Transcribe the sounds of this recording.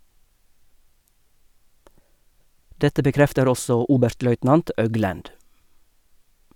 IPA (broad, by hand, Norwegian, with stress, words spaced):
ˈdɛtə bəˈkɾɛftəɾ ˈɔsɔ ˈuːbʉɾtˌlœʏtnɑnt ˈʔœɡlʉnd